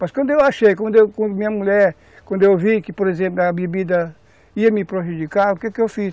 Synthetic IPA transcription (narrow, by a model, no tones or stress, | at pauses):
mɐskwɐ̃nd̪ʊewaʃejkwɐ̃nd̪ʊewkwɐ̃nd̪ʊmĩɲɐmuʎɛɾ | kkwɐ̃nd̪ʊewvikɪpoɾezẽp̬lʊɐbebid̪ɐ | iɐmɪpɾoʒud͡ʒikaɾʊkekɪewfis